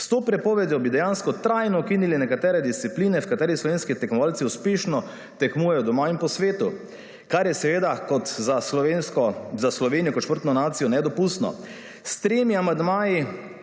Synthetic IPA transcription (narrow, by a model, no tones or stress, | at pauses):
st̪oːpɾɛpɔːʋɛd̪jɔbid̪ɛjaːnskɔt̪ɾajnɔɔkinilinɛkat̪ɛːɾɛd̪ist̪sipliːnɛfkat̪ɛːɾislɔʋeːnskit̪ɛkmɔʋaːlt̪siuspeʃnɔ | t̪ɛkmuːjɛjɔd̪ɔmaːinpɔsʋeːt̪u | kaɾjɛsɛʋeːd̪akɔt̪zaenskɔzaslɔʋeːnijɔkɔt̪ʃpəɾt̪nɔnaːt̪sijɔnɛd̪ɔpust̪nɔ̰ | st̪ɾeːmiamand̪maːji